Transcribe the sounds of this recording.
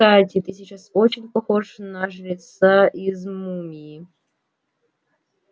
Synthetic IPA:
t̪atʲɪt̪ɨsʲit͡ɕasot͡ɕɪnʲpɐxoʂnɐʐlʲɪt̪saʔizmumʲiɪ

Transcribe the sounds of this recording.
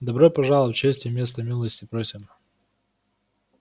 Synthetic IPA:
d̪ɐbɾojpɐʐalˠət͡ɕesʲtʲɪjɪmʲe̞s̬t̪əmʲilˠəsʲtʲɪpɾosʲɪm

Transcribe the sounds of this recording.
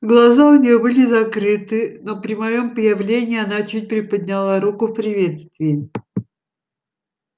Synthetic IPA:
ɡlˠɐzaʊnʲɪjobɨlʲɪzɐkɾɨt̪ɨno̞pɾʲɪmɐjo̞mpəjɪvlʲenʲɪːɐnat͡ɕut̚ʲpɾʲɪpəd̪̚ʲnʲalˠaɾukʊfpɾʲɪvʲe̞t̪st̪vʲɪɪ

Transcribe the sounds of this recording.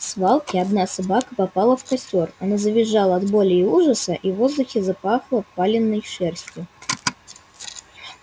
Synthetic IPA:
svalˠkʲɪɐd̪nasɐbakəpɐpalˠəfkɐsʲtʲorɐnazəvʲɪʐːalˠəɐd̪bo̞lʲɪuʐəsəʔivozd̪ʊxʲɪzapaxlˠəpːalʲɪnːəjʂɛrsʲtʲjʊ

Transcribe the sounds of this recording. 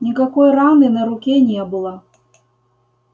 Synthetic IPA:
nʲikakɔjranɨnɐɾukʲɛnʲɛbɨlˠɐ

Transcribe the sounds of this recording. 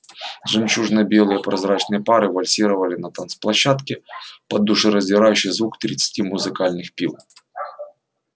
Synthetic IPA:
ʐɨmt͡ɕuʐnɐbʲelˠɨjəpɾɐzɾat͡ɕnɨjəpaɾɨvɐlʲsʲiɾəvɐlʲɪnɐt̪ansplˠɐɕːat̪kʲɪpɐd̪ːuʂɨɾəzʲdʲɪɾajʉɕːɪjzvukt̪ɾʲɪ̰t̪sɨ̥tʲimʊzɨkalʲnɨxpʲilˠ

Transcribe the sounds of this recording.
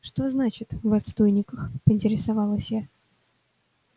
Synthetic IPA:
ʂt̪o̞znat͡ɕɪt̪vɐt̪st̪ojnʲɪkəxpəɪnʲtʲɪɾʲɪsavalˠəsʲja

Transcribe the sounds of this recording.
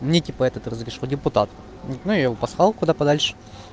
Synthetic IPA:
mnʲetʲipəɛt̪ət̪rəzɾʲɪʂodʲɪpʊt̪at̪ | nujapɐslˠalˠkʊd̪apɐd̪alʲʂɨ̥

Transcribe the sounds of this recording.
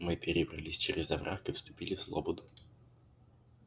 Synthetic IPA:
mɨpʲɪɾʲɪbrɐ̰lʲisʲt͡ɕeɾʲɪzɐvɾʔakɨfst̪ʊpʲilʲɪfslˠo̰bod̪ʊ

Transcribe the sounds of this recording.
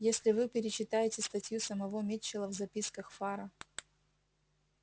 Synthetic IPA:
jesʲlʲɪvɨpʲɪɾʲɪt͡ɕɪt̪ajɪtʲɪst̪ɐtʲjusəmɐvomʲet͡ɕːɪlˠəvzɐpʲiskəxfaɾə

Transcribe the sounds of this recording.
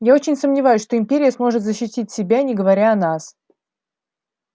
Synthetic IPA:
jao̞t͡ɕɪnʲsəmnʲɪvajʉsʲʂt̪o̞ɪmʲpʲeɾʲɪjəsmo̞ʐɨt̪zəɕːɪtʲit̚ʲsʲɪbʲanʲɪɡəvɐɾʲaɐnas

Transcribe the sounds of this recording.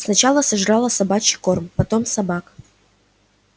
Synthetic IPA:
snɐt͡ɕalˠəsɐʐɾalˠəsɐbat͡ɕɪko̞rmpɐt̪o̞msɐbak

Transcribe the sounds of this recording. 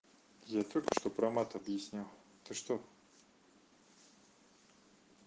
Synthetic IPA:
jat̪olʲkə̥ʂt̪opɾɐmat̪ɐbjɪsʲnʲalˠ | t̪əʂt̪o

